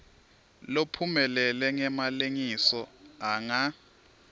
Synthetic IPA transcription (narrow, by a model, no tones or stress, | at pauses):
lopʰumɛlɛlɛŋɛmaleŋisɔaŋa